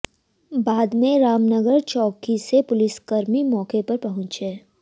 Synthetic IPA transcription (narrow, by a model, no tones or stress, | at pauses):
baːd̪mẽɾaːmnəɡəɾt͡ʃɔːkisepʊlɪsɡəɾmimɔːkepɐɾpɐɦʊ̃t͡ʃeː